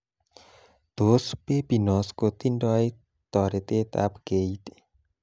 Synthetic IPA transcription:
t̪ospepinɔskot̪indɔj | t̪ɔɾet̪et̪a̰pɡejt̪

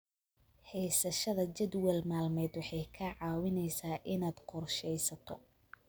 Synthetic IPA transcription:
hɛjsɐʃɐðɐt͡ʃɛd̪wɛlmaːlmɛːd̪wɑħɑjkʰɐʕɑːwɪnɛjsaːʔɪnaːd̪̥qʰɔrʃɛjsɐt̪ʰɔ̰

